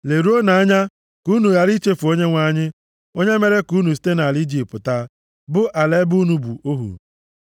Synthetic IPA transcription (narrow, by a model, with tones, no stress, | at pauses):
le˨ɾu˦o˦na˨a˦ɲa˦ | ku˦nu˨ɣa˦ɾi˦t͡ʃe˦fu˨o˦ɲe˦ŋʷa˦˨ɲɪ˦ | o˦ɲe˦me˦ɾe˦ku˦nu˨s̬i̥˦te˦na˨li˦d͡ʒi˨pʊ˨ta˦ | bʊ˦ʔa˨le˦bu˦nu˨bṵ˨o˦ɦṵ˨